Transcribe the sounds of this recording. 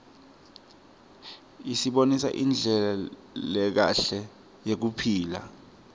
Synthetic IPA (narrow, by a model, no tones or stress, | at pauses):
isiɓonisa̰ʔind͡ɮʱɛlalɛk̬a̰ɬɛ | jek̬upʰiːla̰